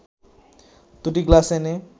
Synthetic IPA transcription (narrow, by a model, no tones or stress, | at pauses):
t̪uʈiɡlasene